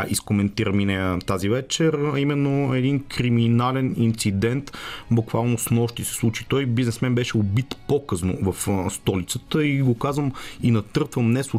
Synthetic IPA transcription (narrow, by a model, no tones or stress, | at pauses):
iskomɛnt̪iɾəminɛt̪azivɛt͡ʃɛɾɐimɛnːoɛd̪inkɾiminalɛnint̪sid̪ɛnt̪bukvalˠnosnɔʃt̪isɛ̥slˠut͡ʃit̪ɔjbiznɛsmɛnbɛʃɛobit̪pokɤsno̰vɐfst̪ɔlit̪sət̪əiɡokazvəminɐt̪ɤɾt̪vəmnɛsˠʊ